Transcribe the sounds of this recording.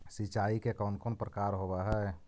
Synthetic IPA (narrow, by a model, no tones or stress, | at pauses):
sit͡ʃaikekɔʊnkonpɾəkaɾɦobɛɦɛ